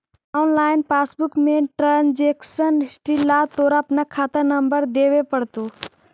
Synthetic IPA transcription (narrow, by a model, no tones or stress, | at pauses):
ɔnlaːɪnpaːsbukmẽʈɾand͡ʒeksənsʈilːat̪oɾaːpnakʰat̪əɾnəmbəɾd̪eʋepəɽt̪u